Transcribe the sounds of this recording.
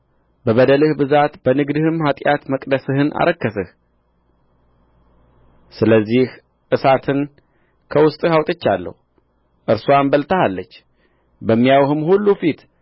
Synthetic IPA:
bəβəd̪əlɨhbɨzat̪bənɨɡd̪ɨhɨmhat̪ʼjat̪məkʼd̪əsɨhɨnʔa̰ɾʔəkːəsɨh | sɨləzːih | ʔɨsat̪ʰɨn | kʰəwʊst̪ʼɨhawt̪ʼɨt͡ʃːalːə̰hu | ʔɨɾsuambəlt̪ʰəhalːət͡ʃː | bəmːijawhɨmhulːufit̪

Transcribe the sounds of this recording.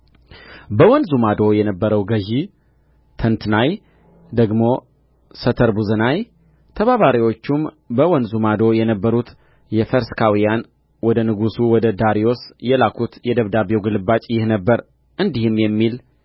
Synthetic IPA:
bəwɔnzumad̪o̞jɛnəbːəɾəwɡəʒi | t̪ʰənt̪naj | d̪əɡmo̞ | sət̪ʰəɾbuzənaj | t̪ʰəβaβaɾiwo̞t͡ʃːum | bəwɔnzumad̪o̞jɛnəbːəɾut̪ | jɛfəɾskʰawijan | wɔd̪ənɨɡusuwɔd̪əd̪aɾijo̞sjɛlakʰut̪jɛd̪əβd̪aβewɡɨlɨbat͡ʃʼjɪhnəbːəɾ | ʔɨnd̪ihɨmjɛmːil

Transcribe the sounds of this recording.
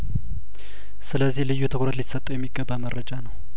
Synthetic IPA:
sɨləzːihlɨjːut̪ʰəkʷɾət̪lit̪sət̪ʼːəwjɛmːiɡːəbːaməɾːəd͡ʒanəw

